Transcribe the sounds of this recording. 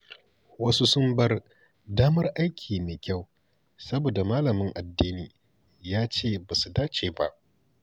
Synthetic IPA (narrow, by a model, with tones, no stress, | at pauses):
wɐ˦su˦sʊ˦mbɐ˦r | daː˦mɐ˦rʔa˦jkʲʰiː˨meː˨kʲa˦˨w | sɐ˦boː˨da˨maː˦lɐ˨mɪ˦ŋʔa˨dːiː˦niː˨ | jaː˦t͡ʃeː˦˨ba˨su˨daː˦t͡ʃeː˨ba˦ʔ